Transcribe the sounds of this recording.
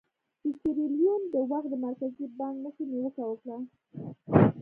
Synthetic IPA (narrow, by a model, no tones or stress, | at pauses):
isiɾilijund̪əwaxt̪̚d̪əmaɾkazibɑŋknəxəniwəkawəkɽa